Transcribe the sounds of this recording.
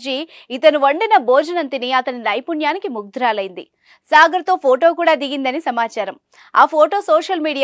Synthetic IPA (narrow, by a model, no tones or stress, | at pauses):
d͡ʒiː | it̪ɐnuʋɐɳɖinɐboːd͡ʒɐnɐnt̪iniɐt̪ɐninɐjpunjaːnikimuɡ̚d̪ɾaːlɐjind̪ḭ | saːɡɐɾɐt̪o̞ːpʰoːʈo̞ːkuːɽaːd̪iɡind̪ɐnisɐmaːt͡ʃaːɾɐm | aːpʰoːʈo̞ːsoːʂɐlmiːɽij